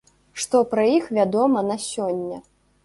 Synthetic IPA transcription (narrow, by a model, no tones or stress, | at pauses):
ʂt̪ɔpɾɐjixvʲad̪ɔmɐnɐsʲɔnʲːɐ